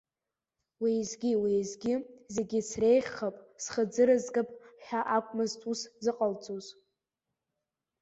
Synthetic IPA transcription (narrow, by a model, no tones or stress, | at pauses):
wijzɡʲiwijzɡʲɪzeɡʲɪsrejχʲχapʼsχəd͡zɨɾɨzɡʼɨpʼħᶣaʔakʷʼmɨztʼuszɨqʼalt͡sʼuz